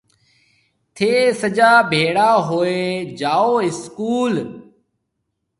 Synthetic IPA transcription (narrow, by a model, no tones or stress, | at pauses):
t̪ʰeːsəd͡ʒaːbʱeːɽaːɦoːeːd͡ʒaːoːɪskuːl